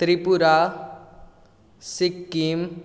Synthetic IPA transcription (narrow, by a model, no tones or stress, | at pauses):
t̪ɾipuɾa | sikːim